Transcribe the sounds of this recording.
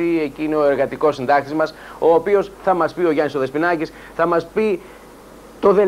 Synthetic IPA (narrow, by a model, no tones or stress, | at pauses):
ieciineo̞e̞ɾɣɐt̪iko̞sind̪ɐk̚t̪izmɐso̞ːpio̞sθɐmɐspio̞ʝɐniso̞ðe̞spinɐcis | θɐmɐspi | t̪o̞ðe̞